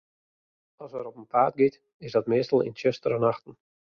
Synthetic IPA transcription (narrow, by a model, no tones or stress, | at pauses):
ɑsəɾɔpənpʰaːt̚ɡɪt | ɪsdɑtmɪːstəl̩ˠɪ̰nt͡ʃɪstəɾənaxtən̩